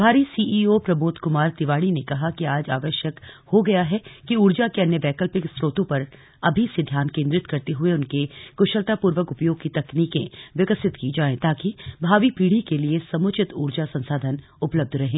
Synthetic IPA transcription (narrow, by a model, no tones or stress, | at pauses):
bʱaːɾisiːʔiːoːpɾɐmʊːt̪kʊmaːɾt̪ɪʋaːɽinekɐɦakiaːd͡ʒaːʋəʃjəkhoɡɐjaɦɛkiuːɾd͡ʒakeɐnjəʋɛːkəlpɪksɾoːt̪õpɐɾ | ɐbʱised̪ʱjaːnkẽːnd̪ɾɪt̪kɐɾt̪eɦʊeʊnkekʊʃəlt̪apuːɾʋəkʊpjoːɡ̚kit̪ɐkniːkẽʋɪkəsɪt̪kid͡ʒaːẽt̪aːkibʱaːʋipiːɽ̤ikeliesɐmʊt͡ʃʰɪt̪uːɽd͡ʒasɐ̃nsaːd̪ʱən | ʊpləb̚d̪ʱɾɐɦẽː